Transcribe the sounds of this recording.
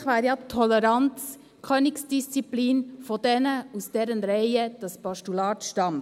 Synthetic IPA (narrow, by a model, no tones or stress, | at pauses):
χʋɑːɾjɑt̪ʰɔlɛɾɑnt͡s | kʰøːnɪksd̥ist͡sipliːnfodɛnəusd̥ɛːɾənɾaɪəd̥ɑspɑʃtulɑːtʃtɑm